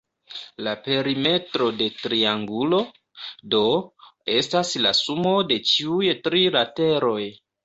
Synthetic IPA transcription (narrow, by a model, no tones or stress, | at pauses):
lape̞ɾime̞tɾo̞de̞tɾiaŋɡulo̞ | do̞e̞stasla̰sumo̞de̞t͡ʃiujtɾiɾate̞ɾo̞j